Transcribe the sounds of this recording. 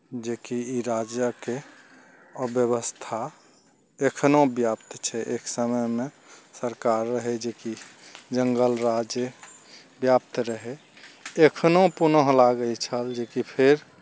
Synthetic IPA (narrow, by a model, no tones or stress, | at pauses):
d͡ʒekiiɾad͡ʒjəke | əbjəβəst̪ʰa | ekʰnobjapt̪t͡ʃʰɛʔeksəməjmẽ | səɾkaɾːəɦed͡ʒekid͡ʒəŋɡəlɾad͡ʒjə | bjap̚t̪ɾəɦe | ekʰnopunəɦlaɡəjt͡ʃʰəld͡ʒekipʰeɾ